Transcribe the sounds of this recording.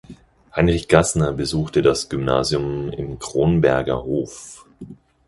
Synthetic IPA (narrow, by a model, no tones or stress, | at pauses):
haɪnʁɪçɡ̥asnɐbəzuːxtədasɡ̥ʏmna̰ːzjʊmɪ̰mkʁ̥oːnbɛɐɡɐ̰hoːf